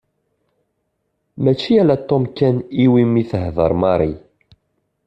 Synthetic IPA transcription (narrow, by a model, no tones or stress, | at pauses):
mæt͡ʃːiælæt̪ːomkːæniwimːiθəɦðəɾˤmɑɾˤi